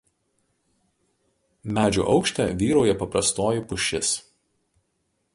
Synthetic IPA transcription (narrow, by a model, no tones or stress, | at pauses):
mʲæːd͡ʒʲṵːʔɒʊkʃʲt̪ʲɛːˑʋʲiːɾɐʊjɛpɐpɾɐst̪oːjɪpʊʃʲɪs